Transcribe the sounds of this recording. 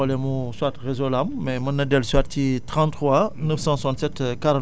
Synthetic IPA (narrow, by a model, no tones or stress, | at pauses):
alɛmuswat̪ʁezolammɛmɐnːadɛlswattit̪ʁɑ̃nt̪χwanəfsɑ̃susɑ̃nt̪sɛt̪kaɾɑ̃